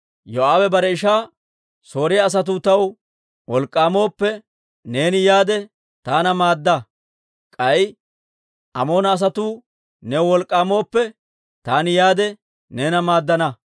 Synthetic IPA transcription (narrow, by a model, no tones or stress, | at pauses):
jɔaːwɛbɐɾɛɪʃaː | so̞ːɾɪjɐːs̬ɐt̪̬uːt̪ɐw | wɔlkʼːaːmo̞ːpːɛ | ne̞ːnɪjaːd̪ɛ | t̪aːnɐmaːd̪ːɐ | kʼɐj | ʔɐ̰mo̞ːnɐːs̬ɐt̪uː | nɛwwɔlkʼːaːmo̞ːpːɛ | t̪aːnɪjaːd̪ɛ | neːnɐmaːd̪ːɐnɐ